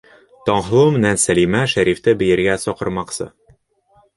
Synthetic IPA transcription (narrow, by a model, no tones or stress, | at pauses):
t̪ɒɴɦɤ̆lˠɤmɘ̆nænsælimæʃæɾift̪ɘbɘ̆jɘ̆ɾɡæsɒqɤ̆ɾmɑqsɤ̰